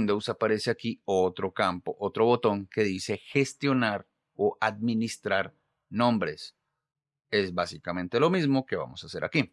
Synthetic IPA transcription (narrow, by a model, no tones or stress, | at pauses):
nd̪owsapaɾe̞se̞akiot̪ɾokampoʔot̪ɾo̞βo̞t̪o̞ŋke̞ðise̞xe̞st̪jo̞naɾ | oʔaðminist̪ɾaɾ | nõ̞mbɾe̞s | e̞zbasikamẽnt̪e̞lo̞mizmo̞ke̞βa̰mo̞sase̞ɾʔa̰ki